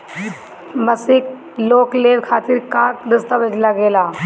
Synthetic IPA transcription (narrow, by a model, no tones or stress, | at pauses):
məsɪk | loːkleːʋkʰaːt̪ɪɾkãːkɾəst̪aʋəd͡ʒlaɡeːlaː